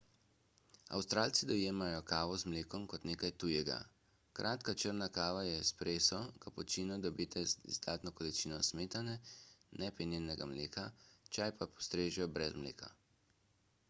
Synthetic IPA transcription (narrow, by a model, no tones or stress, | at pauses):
a̰wst̪ɾaːlt̪sid̪ɔjeːmajɔkaːʋɔzmleːkɔmkɔt̪neːkajt̪ujɛɡa̰ | kɾʔaːt̪kat͡ʃəɾnakaːʋajɛspɾeːsɔkapɔt͡ʃiːnɔd̪ɔbiːt̪ɛzd̪aːt̪nɔkɔlit͡ʃiːnɔsmeːt̪anɛnɛpɛnenɛɡamlḛːkat͡ʃajpapɔst̪ɾeːʒjɔbɾɛzmlḛːka̰